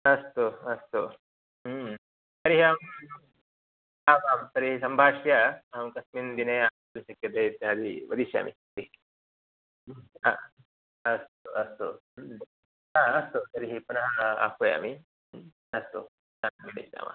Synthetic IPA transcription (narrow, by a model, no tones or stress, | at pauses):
ɐst̪oɐst̪o | sɐɾiɦiaːm | aːbaːmsɐɾiɦisɐmbʱaːʂjaamkɐsmind̪ineaː | ɐlsɐkːɐd̪et̪ːad̪iʋɐd̪isja̰ːmḭsɐɾiɦi | a̰ː | ɐst̪oʔɐst̪o | aːɐst̪osɐɾiɦipunɐɦɐa̰ːpoja̰ːmi | ɐst̪o | amiɽḛsa̰ːma̰